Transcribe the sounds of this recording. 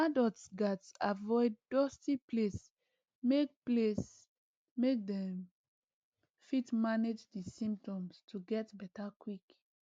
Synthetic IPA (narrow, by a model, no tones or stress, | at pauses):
adɔtsɡatavɔɪdːɔstipʰles | mek̚ples | mek̚dɛ̃m | fitmaned͡ʒdisĩmp̚tɔ̃mstʰuɡɛtbɛtakwik